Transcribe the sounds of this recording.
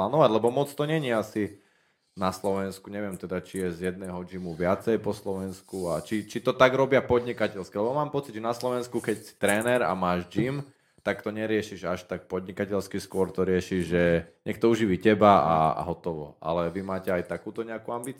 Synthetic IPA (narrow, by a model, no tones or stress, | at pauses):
laːnɔʋaɟlɛbɔmɔt͡st̪ɔɲɛɲiasi | naslɔʋɛnskuɲɛʋɪɛmt̪ɛd̪at͡ʃijɛzjɛd̪̚nɛːɦɔd͡ʒimuʋɪat͡sɛjpɔslɔʋɛnskuat͡ʃit͡ʃit̪ɔt̪aɡɾɔbɪapɔd̪ɲikacɛʎskilɛbɔmaːmpɔt͡sidʒɛnaslɔʋɛnskukɛcsi̥t̪ɾɛːnɛɾa̰maːʒd͡ʒim | t̪akt̪ɔɲɛɾɪɛʃiʒaʃt̪ak̚pɔd̪ɲikacɛʎskiskʊɔɾt̪ɔɾɪɛʃiʒʒɛɲɛk̚t̪ɔuʒiʋicɛbaa̰ɦɔt̪ɔʋɔ̰a̰lɛʋimaːcɛajt̪akuːt̪ɔɲɛakuambiːt͡s